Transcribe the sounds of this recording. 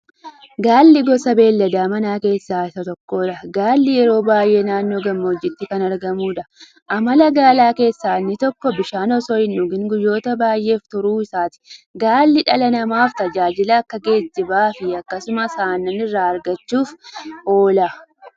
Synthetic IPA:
ɡaːlːɪɡɔsɐbe̞ːlːɐd̪aːmɐnaːke̞ːsːaːɪsɐt̪ɔkːo̞ːᶑɐɡaːlːɪjɛɾo̞ːbaːjʔe̞ːnaːnːo̞ːɡɐmːɐɔd͡ʒːɪt̪ːɪkɐnɐɾɡɐmuːᶑɐ | ʔɐmɐlɐɡaːlaːke̞ːsːaːnːɪt̪ɔkːɔbɪʃaːnɔsɔɪnːʊɡɪŋɡʊjːo̞ːt̪ɐbaːjʔe̞ːft̪ʊɾuːɪsaːt̪ɪ̥ɡaːlːɪᶑɐlɐnɐmaːft̪ɐd͡ʒaːd͡ʒɪlɐːkːɐɡe̞ːd͡ʒːɪbaːfɪɐkːɐsʊmɐsaːnːɐnɪrːaːɐɾɡɐt͡ʃːuːfo̞ːla

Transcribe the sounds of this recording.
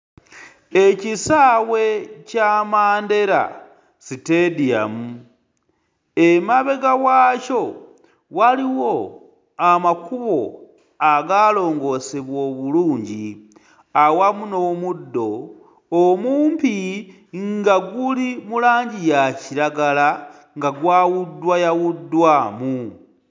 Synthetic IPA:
e̞cisaːwe̞camaːnde̞ɾa̰ | sitedia̰mu | emaβe̞ɡawaːco̞ | waliwo̞ | amakuβo̞̰ | aɡaːlo̞ːŋɡo̞seβwoβuluːɲɟi | awamunomudːo̞ | omuːmpi | ŋɡaɡulimulaːɲɟijaciɾaɡala | ŋɡaɡwaːwudwajawudwamu

